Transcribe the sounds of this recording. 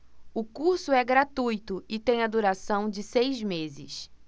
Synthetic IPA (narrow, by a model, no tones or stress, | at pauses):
ʊkuɾsʊɛɡɾat̪ujt̪ʊɪt̪ẽj̃ɐd̪uɾasɐ̃w̃d͡ʒɪsejzmezɪ̰s